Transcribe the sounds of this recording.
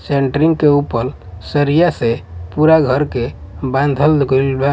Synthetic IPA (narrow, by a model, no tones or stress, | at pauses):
seɳʈɾĩŋɡkeupəɾ | səɾijasepuɾaɡʱəɾke | bãnd̪ʱəld̪ɡəlba